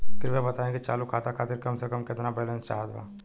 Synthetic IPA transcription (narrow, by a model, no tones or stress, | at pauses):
kɪɾʋebɐt̪aːẽkit͡ʃa̰ːlukʰaːt̪akʰaːt̪ɪɾkɐmsekɐmkɪt̪nabɛːlẽːnst͡ʃa̰ɦad̪ʋa̰ː